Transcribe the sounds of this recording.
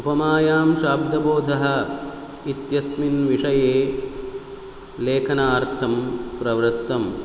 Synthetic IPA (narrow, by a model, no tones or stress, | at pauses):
upɐmaːjaːmʃaːb̚d̪ɐboːd̪ʱɐɦɐ̆ | it̪jɐsminʋiʂɐjeː | leːkʰɐnaːɾt̪ʰɐmpɾɐʋɾɨt̪ːɐm